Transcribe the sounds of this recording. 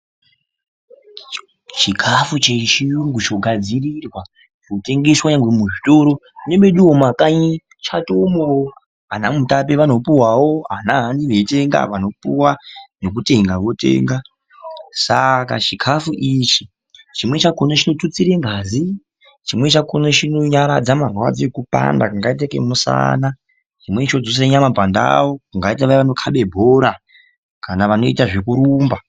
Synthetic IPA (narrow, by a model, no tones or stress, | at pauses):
t͡ʃikʰafut͡ʃet͡ʃiuŋɡut͡ʃoɡʱad͡zirirwa | ʐote̞ŋɡe̞swaɲaŋɡwemuʐitoɾo̞neɓe̞ɗuwomakaɲi | t͡ʃatomo | ɦanamutap̬eʋano̞puwawoɦanaɦːniʋe̞teŋɡa̰ʋano̞puwano̞k̬ute̞ŋɡaʋo̞tḛːŋɡa | saka̰t͡ʃikʰafuʔit͡ʃi | t͡ʃimwe̞t͡ʃakonot͡ʃino̞tut͡siɾe̞ŋɡaːzi | t͡ʃimwe̞t͡ʃakonot͡ʃinoɲaɾad͡zamarwa̰d͡ziekupa̰ndakuŋɡait̬akḛmusa̰na | t͡ʃimwe̞t͡ʃo̞d͡zos̬eɲamabʱanda̰o̞kuŋɡaitaʋaiʋano̞kʰaɓe̞bʱo̞ɾa | kanaʋano̞itaʐe̞kuɾuːmba